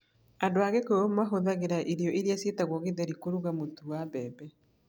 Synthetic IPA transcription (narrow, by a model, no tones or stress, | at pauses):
adoaɣɛkoomaɦoðaɣeɾaʔeɾjɔʔeɾiasetaɣwɔɣeðɛɾikoɾuɣamotuwabɛːbɛ